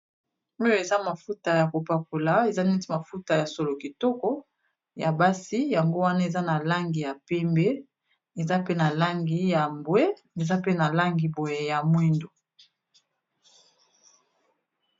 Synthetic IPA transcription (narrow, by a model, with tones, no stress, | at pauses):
o˦jo˨e˨za˦ma˨fu˦ta˨ja˨ko˨pa˨ko˨la˨˦e˨za˦nɛ˦ti˦ma˨fu˦ta˨ja˨so˨lo˨ki˨tɔ˦kɔ˦ | ja˨ba˦si˦ja˨ŋɡo˦wa˦na˦e˨za˦na˨la˦ŋɡi˨ja˨pɛ˦mbe˦ | e˨za˦pe˦na˨la˦ŋɡi˨ja˨mbwe˦ | e˨za˦pe˦na˨la˦ŋɡi˨bo˨je˨ja˨mwi˦ndo˨